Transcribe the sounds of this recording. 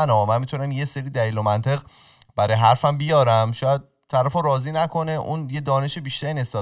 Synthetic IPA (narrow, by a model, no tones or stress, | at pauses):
ænɒːmænmit̪ʰunæmjeseɾiːd̪æliːlomænt̪ʰe̞ɣ | b̥æɾɒjeɦæɾfæmbijɒːɾæmʃɒːjæd̪̚ʰæɾæfoɾɒːziːnækʰo̞neʔunje̞d̪ɒːne̞ʃebiːʃt̪æɾiːnest̪ɒː